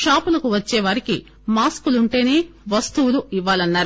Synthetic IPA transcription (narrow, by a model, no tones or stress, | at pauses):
ʃaːpulɐkuʋɐt͡ʃːeːʋaːɾikḭ | maːskuluɳʈe̞ːneːʋɐst̪uwuluiʋːaːlɐnːaːɾu